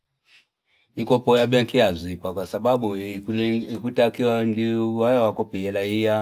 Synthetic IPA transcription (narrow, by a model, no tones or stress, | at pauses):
nikɔpɔjaɓɛŋkiazipakwasaɓaɓu | kutakiɔndiwajɛwakɔpiɛlaija